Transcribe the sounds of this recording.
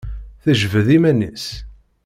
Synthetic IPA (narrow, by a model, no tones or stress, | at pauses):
θəʒvəðimænḭs